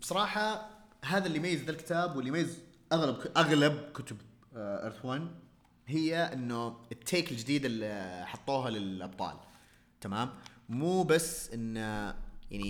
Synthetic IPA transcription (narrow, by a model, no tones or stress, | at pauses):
b̥sˤɑɾˤɑːħɑɦaːðalːijmajːɪzd̪alkɪ̥t̪aːbwɪlːijmajːɪz | ʔaɣlab̚ʔaɣlab̚kʊt̪ʊb | ʔɪ̰ɾθwaːn | ɦɪjːaʔɪnːʊɪt̪ʰːeːkɪld͡ʒɪd̪iːd̪ɪliħɑt̪ˤːuːɦalɪlʔɑb̚t̪ˤɑ̰ːl | t̪amaːmmuːbasːʔɪnːja̰ʕni